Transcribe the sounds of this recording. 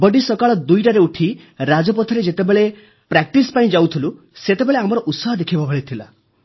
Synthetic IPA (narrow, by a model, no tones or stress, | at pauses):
bɔɖisɔkaɭɔd̪ujʈaɾeuʈʰi | ɾad͡ʒɔp̬ɔt̪ʰɔɾed͡ʒet̪ebeɭe | pɾak̚ʈispaĩd͡ʒawt̪ʰilu | set̪ebeɭeamɔɾɔʔut̪sɔɦɔd̪ekʰibabʱɔɭit̪ʰila̰